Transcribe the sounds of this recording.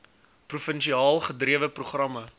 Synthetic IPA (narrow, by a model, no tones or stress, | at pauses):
prufənʃiɑːlˠχədriəvəpruχrɐmɐ